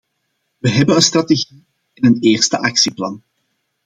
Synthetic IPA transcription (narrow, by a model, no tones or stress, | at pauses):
ʋəɦɛbənənst̪rɑteɣi | ɪnəneːrstəʔɑksiplɑn